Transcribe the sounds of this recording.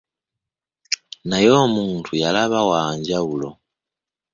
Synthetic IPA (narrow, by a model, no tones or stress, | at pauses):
najomuːntʰujalaβawaːɲɟaulo̰